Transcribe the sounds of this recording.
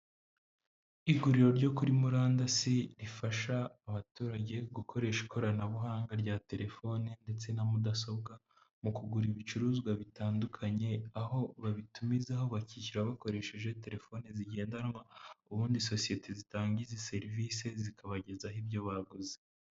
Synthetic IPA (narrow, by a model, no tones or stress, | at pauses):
iɡuɾiɾo̞ɾɟo̞kuɾimuɾaːndasiɾifaʃaːβatuːɾaɟe̞ɡukʰo̞ɾe̞ʃi̥kʰoɾanaβuɦaːŋɡaɾɟate̞ɾe̞fo̞nende̞t͡se̞namudaso̞bɡa | mukuɡuɾiβit͡ʃuɾuːzɡwaβitaːndukʰaɲe̞aho̞βaβitumizaɦo̞βaciciɾaβako̞ɾe̞ʃe̞ʒe̞te̞ɾe̞fo̞neziɟe̞ːndanwauβuːndiso̞sije̞tʰezitaːɲɟizese̞ɾviːse̞zikʰaβaɟe̞zaɦibjo̞βaɡuze